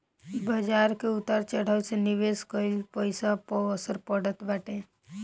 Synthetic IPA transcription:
bəd͡ʒaːɾkeʊt̪aɾt͡ʃəɽ̤əwseniʋeskəɪlpəɪsapəəsəɾpəɽət̪baːʈẽ

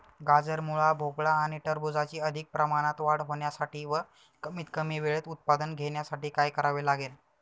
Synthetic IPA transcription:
ɡad͡zəɾmuɭabʱokɭaːɽ̃iʈəɾbud͡zat͡ɕiːəd̪ʱik̚pɾəmañat̪ʋaɽɦoɳjasaʈʰiːʋə | kəmit̪kəmiːʋeɭet̪ut̪̚pad̪ənɡʱeɳjasaʈiːkajkəɾaʋelaɡel

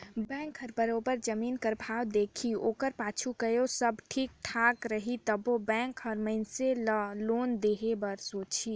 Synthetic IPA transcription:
bɛ̃ŋkɦəɾbəɾobəɾd͡ʒəmiːnkəɾbʱawd̪eːkʰioːkəɾpaːt͡ʃʰukəjosəbʈʰiːk̚ʈʰakɾəɦit̪əbobɛ̃ŋkɦəɾməɪnseləloːnd̪eːɦebəɾsoːt͡ʃʰi

